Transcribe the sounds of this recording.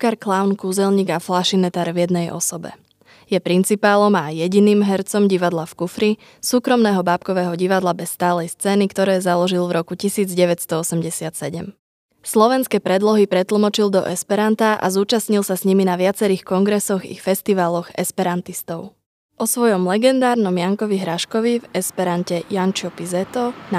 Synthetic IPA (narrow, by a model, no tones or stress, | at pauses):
kaɾklaʊnkuːzɛlɲiːɡaflaʃinɛt̪aːɾvjɛd̪nɛjʔɔ̰sɔbɛ̰ | jɛpɾint͡sipaːlɔmajɛɟiniːmɦɛɾt͡sɔmɟiʋad̪lafkufɾi | suːkɾɔmnɛːɦɔbaːpkɔʋɛːɦɔɟiʋad̪labɛsːt̪aːlɛjst͡sɛːnikt̪ɔɾɛːzalɔʒilvɾɔkucisiːd͡zɟɛʋɛc̪st̪ɔɔsɛmɟɛsɪat̪sɛɟɛm | slɔʋɛnskɛːpɾɛd̪lɔɦipɾɛt̪l̩mɔt͡ʃild̪ɔ̰ʔɛspɛɾant̪aʔa̰zuːt͡ʃasɲilˠsasɲiminaʋɪat͡sɛɾiːxkɔŋɡɾɛsɔɣḭfɛst̪iʋaːlɔɣɛ̰spɛɾant̪ist̪ɔʊ | ʔɔsʋɔjɔmlɛɡɛnd̪aːɾnɔmjaŋkɔʋiɦɾaʃkɔʋivɛspɛɾancɛjant͡ʃɔpizɛt̪ɔna